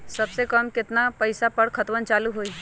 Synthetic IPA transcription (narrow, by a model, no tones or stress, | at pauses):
sɐbsekəmkɪt̪napəɪsapəɽkʰət̪wənt͡ʃaːluɦoːi